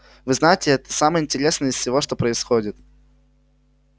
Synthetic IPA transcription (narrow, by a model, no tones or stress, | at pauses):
vɨznajɪtʲɪɛt̪ə̥samɨjəɪnʲtʲɪɾʲe̞snɨjɪsfsʲɪvo̞ʂt̪o̞pɾəɪsxodʲɪt̪